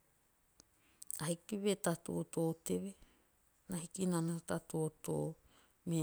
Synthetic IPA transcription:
ahikiβetato̰otoːteβe | naɦikinanahotatooto̰ | me

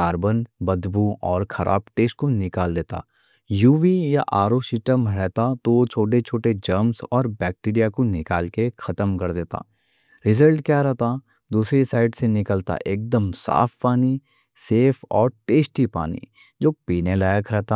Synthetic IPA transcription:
aːɾbənbɐd̪buɔːɾxʰɐɾʔa̰ːbʈeːsʈ̚konɪkaːld̪eːt̪a̰ː | juːʋijaʔaːɾoʃɪʈəmɾɛɦt̪at̪ot͡ʃʰoːʈet͡ʃʰoːʈed͡ʒəɾmsɔːɾbɛːk̚ʈiːɾijakonɪkaːlkexɐt̪əmkɐɾd̪eːt̪a̰ː | ɾɪzəlʈkjaːɾɛɦt̪a | d̪uːsɾisaːɪɖsenɪkəlt̪a̰ʔeːk̚d̪əmsa̰ːfpaːni | seːfɔːɾʈeːsʈipa̰ːnḭ | d͡ʒoːpiːnelaːjəkɾɛɦt̪a

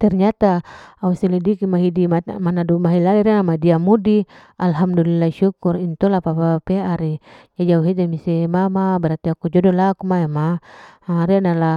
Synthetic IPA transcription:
t̪ɛrɲat̪aausɛlɛdikimaɦidimamanadumaɦilaliɾianamadiamudi | alɦamdulilːaʃukurint̪ɔlapapapeaɾijad͡ʒauɦed͡ʒ̪emisɛmamabɛɾat̪iakud͡ʒɔdɔlakumaema | ɾianala

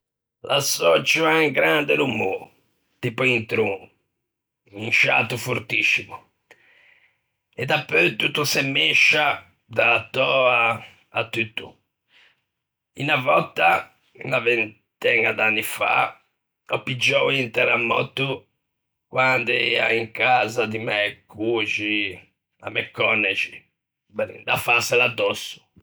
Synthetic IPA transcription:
lʔasɔt͡ʃuaiŋɡɾand̪ɪlumuːɾ | t̪ipuint̪ɾuŋ | inʃa̰t̪ufoɾt̪isːimu | ɛd̪apːøt̪ut̪ːusemːɛʃːa | d̪at̪ːɔaː | t̪ːut̪ːu | ḭnavɔt̪ːa | navɛn | t̪ɛnad̪anːifa̰ | ɔpːid͡ʒːɔwint̪ɛɾamːɔ̰t̪ːu | kwand̪ɛa̰iŋkazad̪imɛkut͡ʃi | a̰mɛkːɔnːɛt͡ʃi | bɛnḭnd̪afasɛlad̪ːɔsːu̥

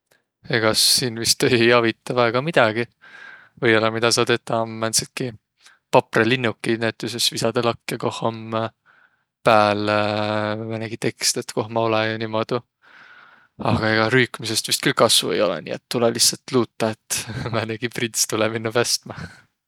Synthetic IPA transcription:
e̞ɡ̥ɑːiːnvist̪ejɑvit̪ˑːɑvæːɡ̥ɑmid̪̥ɑɡ̥i | vɤjolɑmid̪̥ɑsɑt̪et̪ːˑɑmænt̪sit̪̚ki | pɑprelinːukːˑinæt̪ːˑys̬esvisɑd̪̥elɑkːjɑko̞hˑom | pæːl | mæneɡit̪e̞kst̪e̞t̪ko̞hmɑolejɑnimod̪̥u | ɑɡ̥ɑe̞ɡ̥ɑɾyːkmise̞st̪vist̪̚kylkɑsvṵejo̞̰lɛ̰nḭet̪ːulelisːɑlt̪luːt̪ːɑet̪ːmæneɡ̥iprint̪st̪ulɛminːɑvæst̪mɑ

